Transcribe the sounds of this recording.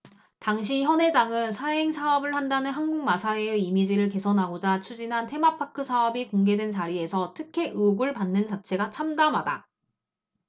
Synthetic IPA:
taŋɕ̬ʰiçjʌnɦe̞d͡ʑaŋɯnsʰaɦe̞ŋsʰaʌbɯɭhandanɯnɦanɡuŋmasʰaeeimid͡ʑiɾɯɭke̞sʰʌnɦaɡod͡ʑat͡ɕʰud͡ʑinɦantʰe̞mapʰakʰɯsʰaʌbikoŋɡe̞dwent͡ɕaɾie̞sʰʌtʰɯkʰe̞ʔɯɡɯɭpanːɯnt͡ɕat͡ɕʰe̞ɡat͡ɕʰamdamɦada

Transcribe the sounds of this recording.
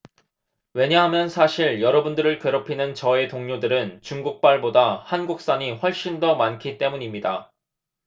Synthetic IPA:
we̞ɲaɦamjʌnsʰaɕʰiɭjʌɾʌbundɯɾɯɭkeɾopʰinɯnt͡ɕʌe̞toŋɲodɯɾɯnt͡ɕuŋɡuk̚p͈aɭbodahanɡuk̚s͈aɲiɸwʌɭɕ͈indʌmankʰit͈e̞muɲimɲida

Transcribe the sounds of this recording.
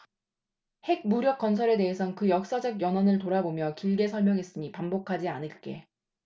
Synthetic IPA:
he̞ɡ̚muɾjʌk̚k͈ʌnsʰʌɾe̞de̞ɦesʰʌnkɯjʌk̚s͈ad͡ʑʌɡjʌnwʌnɯɭtoɾabomjʌkiɭɡe̞sʰʌɭmjʌŋɦe̞s͈ɯmipambokʰad͡ʑianɯɭk͈e̞

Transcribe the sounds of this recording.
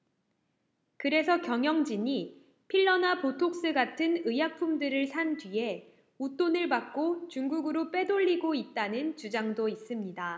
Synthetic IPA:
kɯɾe̞sʰʌkjʌŋjʌŋd͡ʑiɲi | pʰiɭːʌnapotʰok̚s͈ɯɡatʰɯnɯjak̚pʰumdɯɾɯɭsʰandɥie̞ | ut͈onɯɭbak̚k͈ot͡ɕuŋɡuɡɯɾop͈e̞doʎːiɡoit̚t͈anɯnt͡ɕud͡ʑaŋdois͈ɯmɲida

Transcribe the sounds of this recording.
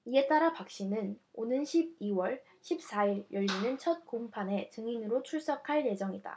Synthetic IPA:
ie̞t͈aɾapak̚ɕ͈inɯnonɯnɕʰib̚iwʌɭ | ɕʰip̚s͈aiɾjʌʎːinɯnt͡ɕʰʌt̚kompʰane̞t͡ɕɯŋinɯɾot͡ɕʰuɭs͈akʰaɭje̞d͡ʑʌŋida̰

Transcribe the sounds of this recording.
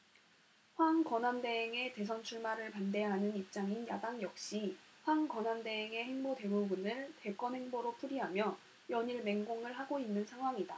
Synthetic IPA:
ɸwaŋkʌnande̞ɦeŋe̞te̞sʰʌnt͡ɕʰuɭmaɾɯɭpande̞ɦanɯnip̚t͡ɕ͈aŋinja̰daŋjʌk̚ɕ͈iɸwaŋkʌnande̞eŋe̞heŋbote̞bubunɯɭte̞k͈ʌnhe̞ŋboɾopʰuɾiɦamjʌ | jʌɲiɭme̞ŋɡoŋɯɭɦaɡoinːɯnsʰaŋɦwaŋida

